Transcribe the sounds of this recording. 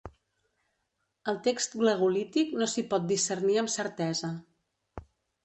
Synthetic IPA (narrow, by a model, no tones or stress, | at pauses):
əlˠt̪ekst̪ɡləɣulit̪iknosipɔt̪̚d̪isərniəmsəɾt̪ɛzə